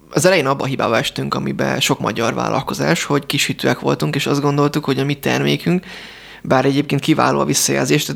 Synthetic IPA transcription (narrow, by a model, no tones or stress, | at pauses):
ɒzɛlɛjeːnɒbːɒɦiba̰ːbɒɛʃt̪yŋkɒmibɛ̰ʃo̞kmɒ̰ɟɒrva̰ːlːʔɒ̰lko̞za̰ːʃho̞ɟkiʃhit̪øːɛkʋo̞̰lt̪uŋkeːʃɒzd̪ɡo̞nd̪o̞lt̪ukho̞ɟɒmit̪ɛ̰rmeːkyŋk | baːɾɛɟeːpkeːn̚kiva̰ːloːɒ̰visːɒja̰ːlzeːʃt̪ɛ